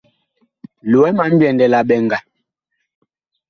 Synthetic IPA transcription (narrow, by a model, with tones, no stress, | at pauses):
lo˨wɛ˦ma˨˦m̩˦bjɛ˨ndɛ˨la˨ɓɛ˨ŋɡa˨